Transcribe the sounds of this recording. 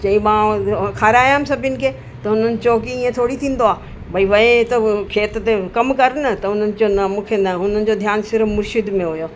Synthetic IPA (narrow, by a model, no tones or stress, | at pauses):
t͡ɕɐĩmãːkʰaːɾeaːjaːmsɐbʱɪnɪ̆kʰeː | t̪ɐʊn̤ənɪ̆t͡ɕoːkiĩːẽt̪ʰoːɽit̪ʰĩːn̆d̪oaː | bʱɐiʋɐẽt̪ɐkʰeːt̪t̪ekɐmkɐɾnɐt̪ɐʊn̤ənɪ̆t͡ɕonɐmũːkʰenɐɦʊn̤ənɪ̆d͡ʑod̪ʱjaːnsɪɾfmʊɾʃɪd̪mẽɦʊjoː